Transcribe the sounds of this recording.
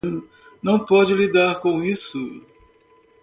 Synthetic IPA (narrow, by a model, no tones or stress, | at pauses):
nɐ̃w̃pɔd͡ʒɪlid̪aɾkõw̃isʊ